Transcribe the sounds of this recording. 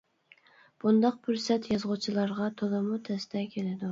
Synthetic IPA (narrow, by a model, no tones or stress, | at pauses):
b̥und̪ɑq̚pʰʊɾsɛt̪jɑzʁʊt͡ʃʰilˠɑɾʁɑt̪ʰolˠɨmut̪ʰɛst̪ʰɛkʲʰelɪd̪u